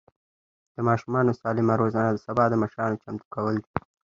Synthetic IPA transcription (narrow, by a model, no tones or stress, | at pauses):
d̪̥əmɑʃumɑnosɑlɪmaɾozɑnad̪əsabɑd̪əməʃɾɑnot͡ʃamt̪ukawəld̪i